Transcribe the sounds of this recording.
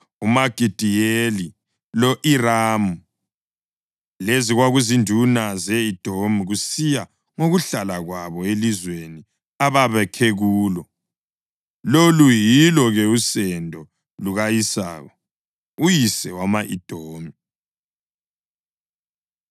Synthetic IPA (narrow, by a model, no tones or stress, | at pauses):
umaɡ̥ʱid̥ʱijeli | lɔʔiraːmu | leziɣwaɣuzindʱunazɛid̥ʱomiɣusija | ŋoɣuɬalaɣwaβɔelizweni | aβaβɛkʰeɣuːlɔ | lolujilɔɣɛusɛndʱɔ | luɣajisa̰ːɣɔ | ujisɛwamaʔid̥ʱoːmi